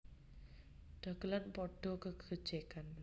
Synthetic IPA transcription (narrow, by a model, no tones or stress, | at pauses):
ɖ̥a̤ɡəlanpɔɖ̥ɔkəkəd͡ʒekan